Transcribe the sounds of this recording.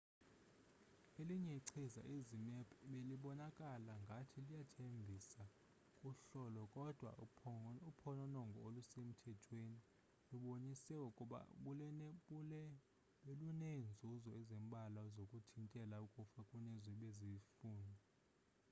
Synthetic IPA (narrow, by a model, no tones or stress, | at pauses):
eliɲɛiǀʰiza̰ʔizimɛpʰʼɓeliɓɔnakʼalaŋɡʱatʰilijatʰembʱisa | kʼuɬɔlɔkʼɔd̥ʱwa̰upʰɔnɔnɔŋɡʱɔolusem̩tʰɛtʰweni | luɓonisɛukʼuɓa̰kulɛnɛɓulɛ | ɓelunɛnd͡zʱuzɔɛzɛmbʱalazokʼutʰintʼɛlaukʼufakʼunɛziɓezifuːndʱi